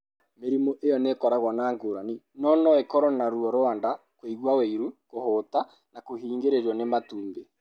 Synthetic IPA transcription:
meɾimɔʔejɔnekɔɾaɣwɔnaːŋɡoɾaninɔnɔekɔɾɔnaɾuɔɾoanda | kweiɣwaweiɾukohota | nakohiːŋɡeɾeɾɔnematuːmbe

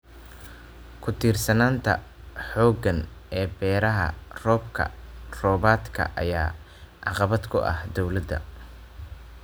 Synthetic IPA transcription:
kʰʊt̪ʰiːrsɐnaːnt̪ʰɐ̰ħɔːɡɐnɛːbɛːɾɐɦɐ̰rɔːb̚kʰɐ̰rɔːβaːd̪kʰɐ̰ʔɐ̰jaː | ʕɑqɑβɐd̪kʰʊʔɐ̰hd̪ɔwlɐd̪ɐ̰

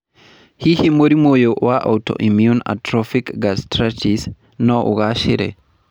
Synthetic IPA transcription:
hihimoɾimojowaʔawtɔ̰ʔimjuna̰tɾɔfikɡastɾat͡ʃis | nɔʔɔ̰ɣaʃiɾɛ̰

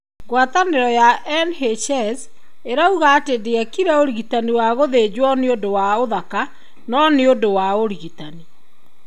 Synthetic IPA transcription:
ɡwataneɾɔjaʔɛnɦeʃɛz | eɾauɣaːtedeakiɾɛoɾiɣitaniwaɣoðeːd͡ʑwɔneodowaoðaka | nɔneodowaoɾiɣitani

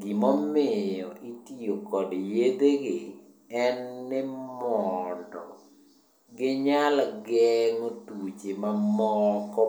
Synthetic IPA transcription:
ɡimɔmɪjɔʔitiokɔdjed̪eɡɪ | ɛnːɪmɔndɔ | ɡɪɲalɡɛŋotut͡ʃemamɔkɔ

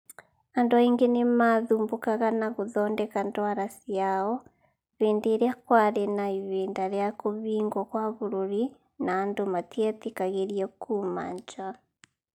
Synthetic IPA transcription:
anduaiŋɡenemaðuːmbukaɣanaɣuðɔːndɛkantwaɾasiaɔ | βiːndeɾejakwaɾenaiβeːndaɾeakuβiːŋɡwokwaβuɾuɾi | naːndumatietikaɣeɾiekuma̰ɲd͡ʒa

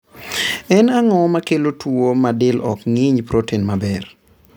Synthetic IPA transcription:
ɛnaŋɔmakelotwomadɪlɔkŋɪɲpɾotʰenmabɛr

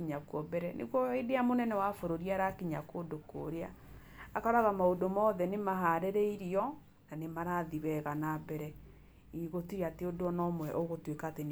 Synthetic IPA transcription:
iɲakwɔbɛɾɛnʔḛɣwɔedeamonɛnɛwafoɾoɾiaɾakiɲakodoko̰ɾea | akaɾaɣamaodomɔːðɛnemaɦaɾeɾeiɾiɔ | nanemaɾaðiβɛɣanabɛɾɛ | iɣotiɾeateodoɔnɔmwɛʔɔɣotwekaːten

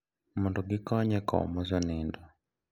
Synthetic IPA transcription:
munduɡikɔɲɛkɔ̰mɔzanindɔ

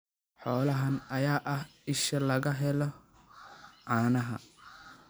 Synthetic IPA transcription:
ħɔːlɐɦɐnɐjaːʔɐhɪʃɐlɐɣɐɦɛlɔ | ʕaːnɐɦɐ̰

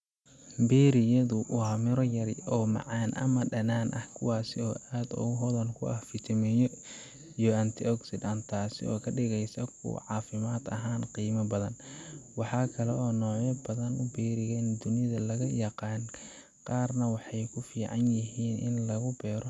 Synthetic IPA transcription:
bɛːɾɪjɐðʊʔʊhɐmɪɾɔjɐɾɪɔːmɑ̰ʕɑːnʔɐ̰mɐɖɐnaːnʔɐhkʰʊwɑːsɪɔːʔaːd̪ʊ̰ɣʊɦɔðɐnkʰʊ̰ʔɐhfɪt̪ʰɐmɛjɔ | ijɔɐnt̪ʰɪɔksɪd̪ɐnt̪ʰaːsɪ̰ɔ̰ːkʰɐɖɪɣɛjsɐkʰʊ̰ʕɑːfɪmaːd̪ɐ̰ɦaːnqiːmɐbɐðɐnwɑħɑːkʰɐlɛʔɔːnɔːjɐbɐðɐnʊbɛːɾɪɣɛnd̪ʊnɪðɐlɐɣɐjɑqɑːn | qɑːrnɐwɑħɑjkʰʊfiːʕɑnjɪɦiːnʔɪ̰nlɐɣʊbɛːɾɔ

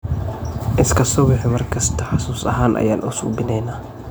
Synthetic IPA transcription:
ʔɪskʰɐsɔːbɪħɪmɐrkʰɐst̪ʰɐħɑsuːsɐ̰ɦaːnʔɐ̰jaːnʔʊsṵːbɪnɛjnaː

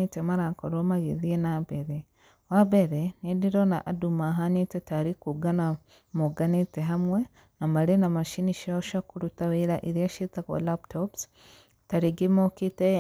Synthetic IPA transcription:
itemaɾakoɾomaɣeðienabeɾe | wabeɾenediɾona̰ʔadumaɦaɲitetaɾikuɡana | moɡaniteɦamwe | namalenamaʃiniʃoʃakuɾutaβiɾaʔiɾjaʃitako̰laptʰops | taɾiɡimokite

